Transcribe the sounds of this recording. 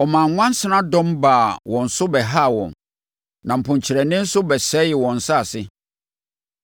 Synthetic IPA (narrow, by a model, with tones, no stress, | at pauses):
ɔ˨mã˨ŋŋʷã˦n˦sɪ˦nã˦dɔ̃˦mbaː˨wʔɔ̃˨n̩˨sʊ˦bɛ˨ɦa˦˨wɔ̰̃˨n | nã˨m̩˨pʰʊ̃˨ɲt͡ɕʰɪ˨ɾɛ˨nɪ̃˦n̩˦sʊ˦bɛ˨sɛ˦jɪ˨wɔ̃˨n̩˨sa˦˨sɪ˦